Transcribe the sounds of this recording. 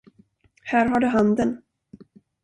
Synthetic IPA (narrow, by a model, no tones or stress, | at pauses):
hæːɾɦaɖɵɦand̪ən